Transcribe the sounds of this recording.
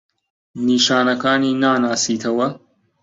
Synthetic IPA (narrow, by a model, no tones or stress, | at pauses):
niːʃaːnɐkaːniːnaːnaːsiːt̪ʰɐwɐ